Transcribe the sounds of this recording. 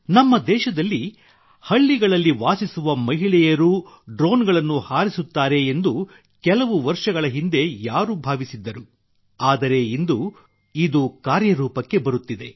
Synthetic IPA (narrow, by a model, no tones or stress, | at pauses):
nɐmːɐd̪ɛːʃɐd̪ɐlːi | hɐɭːiɡɐɭɐlːiʋaːsisuʋɐmɐɦiɭɛjɐɾuː | ɖɾoːnɡɐɭɐnːuhaːɾisut̪ːaːɾe̞ːnd̪u | kɛlɐʋuʋɐɾʂɐɡɐɭɐɦind̪e̞jaːɾubʱaːʋisid̪ːɐɾu | aːd̪ɐɾe̞ind̪u | id̪ukaːɾjɐɾuːpɐkːe̞bɐɾut̪ːid̪e̞